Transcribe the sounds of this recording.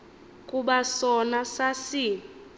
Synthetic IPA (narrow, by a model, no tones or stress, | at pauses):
kʼuɓasɔnasasi